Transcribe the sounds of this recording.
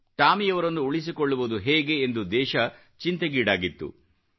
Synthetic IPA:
ʈaːmijɐʋɐɾɐnːuuɭis̬ikoɭːuʋud̪uɦeːɡe̞ːnd̪ud̪ɛːʃɐ | t͡ʃint̪ɐɡiːɽaːɡit̪ːṵ

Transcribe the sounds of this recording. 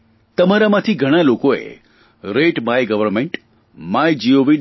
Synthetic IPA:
t̪əmaɾamãt̪ʰiɡʱəɽ̃alokoḛ | ɾeʈmajɡəʋəɾmeɳʈ | majd͡ʒioʋi

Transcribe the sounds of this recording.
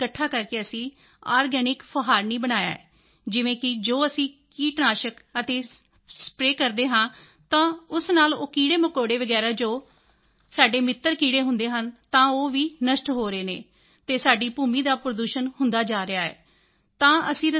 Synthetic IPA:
kəʈʰːaːkəɾkeəsĩː | aːɾɡɛːnɪkfʰəɦaːɾniːbənaːja̰ːɛ̰ː | d͡ʒɪʋẽːkɪd͡ʒoːəsĩːkiːʈnaːʃəkət̪eː | spɾeːkəɾd̪eːɦãː | t̪ãːʊsnaːlo̰ːkiːɽeːmʊkoːɽeːʋəɡɛːɾaːd͡ʒoː | saːɖeːmɪt̪ːəɾkiːɽeːɦʊnd̪eːɦənt̪ãːoːʋiːnəʃʈɦoːɾeːneː | t̪eːsaːɖiːpuːmiːd̪aːpɾəd̪uːʃənɦʊnd̪aːd͡ʒaːɾɪaːɛ̰ː | t̪ãːəsĩːɾə

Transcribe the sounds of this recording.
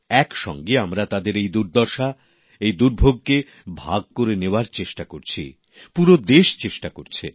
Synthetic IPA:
ɛkʃɔ̰ŋɡeamɾat̪ad̪eɾejd̪uɾd̪ɔɾʃa | ejd̪uɾbʱoɡ̚ke | bʱaɡ̚koɾeneoaɾt͡ɕeʃʈakoɾt͡ɕʰḭ | puɾod̪eʃt͡ɕeʃʈakoɾt͡ɕʰe

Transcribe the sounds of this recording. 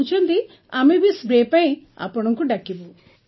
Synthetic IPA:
t͡ʃɐnd̪i | ɐmibisbɾeːpɐj | ɐ̰pːɐɽɐŋkuɖɐkːibu

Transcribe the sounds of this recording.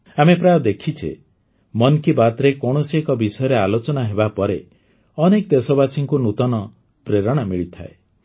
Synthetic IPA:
amepɾajɔd̪ekʰit͡ʃʰḛ | mɔnkibat̪ɾekɔɽ̃ɔsekɔbisɔjɔɾealot͡ʃɔnaɦebapɔɾe | ɔnekd̪esɔbasiŋkunut̪ɔnɔ | pɾeɾɔɽ̃amiɭit̪ʰa̰e

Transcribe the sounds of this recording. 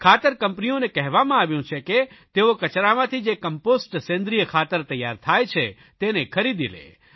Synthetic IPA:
kʰaːt̪əɾkə̃mpnionekɛɦʋamãaʋjũt͡ʃʰeket̪eokət͡ʃɾamãt̪ʰid͡ʒekəmposʈsẽnd̪ɾijəkʰaːt̪əɾt̪əja̰ɾt̪ʰaːjt͡ʃʰe | t̪enekʰəɾid̪ḭlḛ

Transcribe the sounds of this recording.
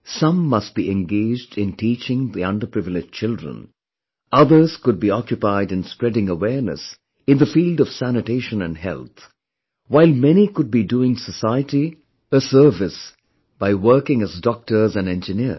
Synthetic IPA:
sʌ̃mːʌst̚b̥iʔɛ̃nɡeɪd͡ʒdɪ̃ntit͡ʃɪ̃ŋðiʌ̰̃ndə˞pɹɪvɪlɪd͡ʒt͡ʃʰɪldɹə̰̃n | ʌðə˞z̥kʊd̚biɔkjʊpaɪdɨ̃nspɹɛdɪ̃ŋəwɛɹnə̰s | ɨ̃nðəfiːldʌv̥sænɨteɪʃə̃nɨ̃nɦɛ̰lˠt̪ | waɪlˠmɛnikʊd̚biduɪ̃ŋsəsaɪəti | əsə˞vɪs | b̥aɪwɜ˞kɪ̃ŋɨzdɔk̚tə˞zæ̃nɛ̃nd͡ʒɨnɪ

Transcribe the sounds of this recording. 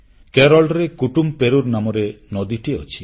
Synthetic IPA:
keɾɔlɾekuʈumpeɾuɾnamɔɾenɔd̪iʈiɔ̰t͡ʃʰi

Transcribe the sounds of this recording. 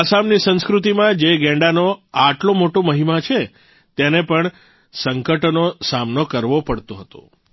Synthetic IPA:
asamnisə̃ñskɾut̪̬imãd͡ʒeɡɛ̃ɳɖanoaʈlõmoʈõməɦimat͡ʃʰe | t̪enepəɳ | səŋkəʈnosamnokəɾʋopəɽt̪õɦət̪o̰

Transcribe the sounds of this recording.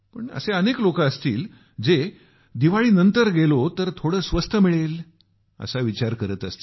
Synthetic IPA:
pəɳə̰seəneklokaəst̪ḭːl | d͡ze | d̪iʋaɭiːnənt̪əɾɡelot̪əɾt̪ʰoɽəːsʋəst̪ʰəmiɭel | ə̰saʋit͡ɕaɾkəɾət̪əst̪i

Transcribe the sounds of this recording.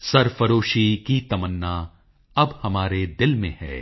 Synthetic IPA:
sɐɾfɐɾoːʃikit̪ɐmənːa | ɐbhɐmaːɾed̪ɪlmẽhɛ̰ː

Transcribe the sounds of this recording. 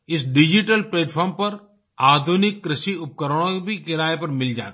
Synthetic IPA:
ɪsɖɪd͡ʒiʈəlpleːʈpʰɔːɾmpɐɾ | aːd̪ʱunɪkːɾɪʃiʊp̚kəɾəɽ̃õbʱikɪɾaːepɐɾmɪld͡ʒa̰ːt̪ː

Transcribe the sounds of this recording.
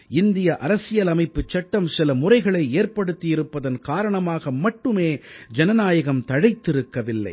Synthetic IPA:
ɪnd̪ɪjɐʔɐɾɐsɪjɐlɐmɐɪpːɯt͡ʃːɐʈːɐmsɪlɐmʊrɐɪɣɐɭɐɪeːrpɐɽɯt̪ːɪjɪɾɯpːɐðɐnkaːɾɐɳɐmaːɣɐmɐʈːɯmeːd͡ʒɛnɐnaːjɐɣɐmt̪ɐɻɐɪt̪ːɪɾɯkːɐʋɪlːɐ̰ɪ

